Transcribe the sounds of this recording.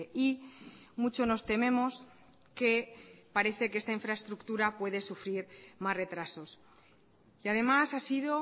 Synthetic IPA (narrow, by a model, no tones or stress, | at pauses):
imut͡ʃo̞no̞st̪e̞mẽ̞mo̞s | ke̞paɾe̞θe̞kee̞st̪aiɱfɾae̞st̪ɾukt̪uɾapwe̞ð̞e̞sufɾiɾmazre̞t̪ɾaso̞s | iað̞e̞masasiðo̞